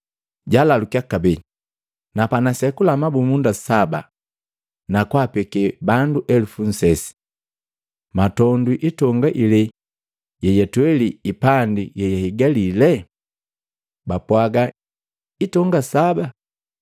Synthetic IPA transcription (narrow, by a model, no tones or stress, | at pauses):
ɟalalukijakabɛi | napanasɛkulamabumundasaba̰ | nakwapɛkɛbanduʔɛlufun̩sɛsi̥ | matɔndiʔitɔŋɡaʔilɛ | jɛjɛtwɛliipandijɛjahiɡalilɛ | bapwaɡa | itɔŋɡasaba